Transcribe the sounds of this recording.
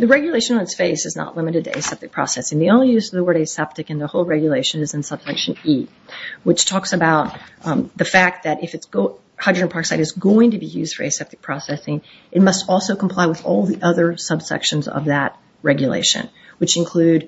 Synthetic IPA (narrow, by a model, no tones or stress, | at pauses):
ðɨɹɛɡjɨleɪʃɨ̃nnɨtsfeɪsɨznə̰ʔˡlɪ̃mɨɾɨd̚tʰɨḛɪsɛp̚tɨk̚pʰɹ̥ɑ̰sɛsɪ̃ŋðiõʊ̃nlijʉzʌvðəwɜ˞ɾeɪsɛp̚tɨkɨ̃nðəhoʊlˠɹɛɡjɨleɪʃɨ̃nɨzɨ̃n̩sʌb̥sɛkʃɨ̃ni | wɨt͡ʃtʰɔksɨbaʊt̪̚ðɨfæk̚t̪̚ðɨɾɨfɨtsɡ̥oʊ | haɪdɹɨɨ̃npʰɑɹksaɪɾɨzɡoʊɪ̃ŋtɨbijʉzd̥fə̰˞ḛɪsɛp̚tɨk̚pʰɹ̥ɔsɛsɪ̃ŋ | ɨt̚mʌstɔlˠsoʊkʰm̩pʰl̥aɪwəðɔ̰lˠðiʔʌðə˞sʌb̥sɛ̰kʃɨ̃nzʌ̰vðɨt̚ | ɹɛɡjɨlḛɪʃɨ̰̃n | wɨt͡ʃɨ̃nkʰl̥ʉd